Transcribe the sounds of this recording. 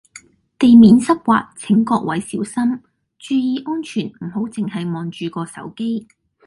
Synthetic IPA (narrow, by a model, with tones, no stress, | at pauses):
t̪e˨jmiː˨˥nsɐ˥k̚kʷwa̰ː˧k̚t͡sʰɪ˨˥ŋkɔː˧k̚wɐ˨˥jsiː˨˥wsɐ˥m | t͡ʃyː˨˧jiː˨˧ʔɔː˥nt͡ʃʰyː˨˩nm̩˨˩ɦo˨˥wt͡sɪ˨ŋɦɐ˨jmɔː˨nt͡ʃyː˨kɔː˧sɐ̰˨˥wke˥j